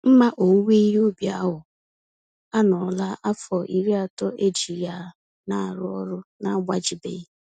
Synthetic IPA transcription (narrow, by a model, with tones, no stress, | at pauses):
m̩˦ma˦ʔo˨˦ŋʷe˦i˦ɦo˦bja˦ɦʊ˨ | a˦nɔ˨la˦ʔa˦fɔ˨ʔi˨ɾi˦a˦tɔ˦ʔe˦d͡ʒi˨ja˦ | na˦˨ɾʊ˦ɔ̰˦ɾʊ˦na˦ɡ͡ba˦d͡ʒi˨bḛ˨˦